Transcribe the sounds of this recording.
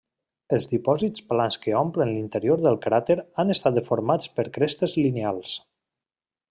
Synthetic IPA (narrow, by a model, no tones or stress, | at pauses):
əlˠzðipɔzit͡splanskəɔmplənlint̪əɾioɾðəlˠkɾat̪eɾanəst̪at̪əfoɾmat͡spəɾkɾest̪əzlinealˠs